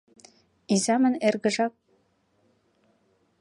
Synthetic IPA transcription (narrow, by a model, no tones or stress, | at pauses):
izɑmə̆nerɣə̆ʒɑk̚